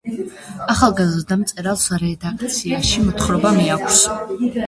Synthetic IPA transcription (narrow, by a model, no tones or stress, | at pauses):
aχalˠɡazrd̪amt̪sʼɛɾalˠsɾɛd̪akʰt̪sʰiaʃimɔt̪χɾɔbamiakʷʰs